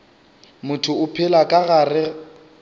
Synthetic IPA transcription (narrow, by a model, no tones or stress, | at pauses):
mʊtʰʊʊpʰɪlakʼaɣarɪ